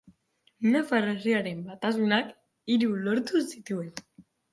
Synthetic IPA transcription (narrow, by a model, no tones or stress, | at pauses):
nefareriaɾe̞mbat̪as̬unak | iɾulo̞ɾt̪usit̪ue̞n